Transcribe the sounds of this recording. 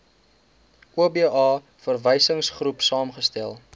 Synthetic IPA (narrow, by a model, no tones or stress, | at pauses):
ʔuəbiːʔɑː | fərvəjsəŋsχrupsɑːmχəstælˠ